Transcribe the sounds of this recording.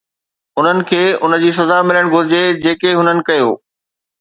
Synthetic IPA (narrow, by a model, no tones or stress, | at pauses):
ʊn̤ənɪ̆kʰeːʊnəd͡ʑiːs̬ɐzamɪləɽ̃ɡʱʊɾɪd͡ʑed͡ʑeːkeɦʊnənɪ̆kɐjoː